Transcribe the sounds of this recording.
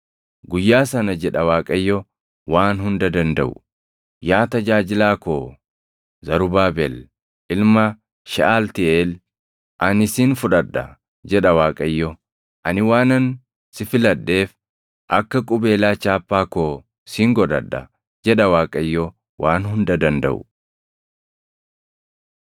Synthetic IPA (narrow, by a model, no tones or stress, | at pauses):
ɡʊjːaːsɐnɐd͡ʒɛᶑɐwaːkʼɐjːɔ | waːnhʊnd̪ɐd̪ɐnd̪ɐ̰ʔʊ | jaːt̪ɐd͡ʒaːd͡ʒɪlaːkoː | zɐɾʊbaːbɛl | ʔɪlmɐ | ʃɪʔaːlt̪ɪʔeːl | ʔɐnɪsinfʊᶑɐd̪ːɐ̰ | d͡ʒɛᶑɐwaːkʼɐjːɔ | ʔɐnɪwaːnɐn | sɪfɪlɐd̪ːe̞ːf | ʔɐkːɐkʼʊbe̞ːlaːt͡ʃaːpːaːkoː | siːŋɡɔd̪ɐ̰ᶑːɐ̰ | d͡ʒɛᶑɐwaːkʼɐjːɔ | waːnhʊnd̪ɐd̪ɐnd̪ɐ̰ʔʊ̰